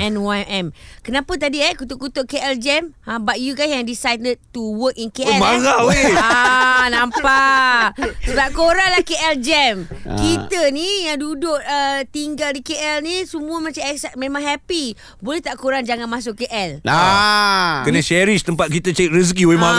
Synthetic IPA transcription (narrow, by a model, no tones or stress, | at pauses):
ʔɛ̃nwaɛmkənãpat̪̬adiɛkut̪ʊʔkut̪oʔkeʔɛld͡ʒɛmãbat̪̚juɡajsɛndisajdəd̚tuwəkinkeʔɛaɣaoeanãmpa | səbap̚koɾaŋlahkeʔɛld͡ʒɛmkit̪ənijaŋdudʊʔət̪iŋɡaldikeʔɛlnisəmũamãt͡ʃamɛksɛmẽmãŋɦɛpi | bolɛht̪aʔkoɾaŋd͡ʒaŋãnmas̬ʊkkːeʔɛla | kənəʃɛɾiʃt̪əmpat̪̚kit̪ət͡ʃait̪̚ɾəs̬kioima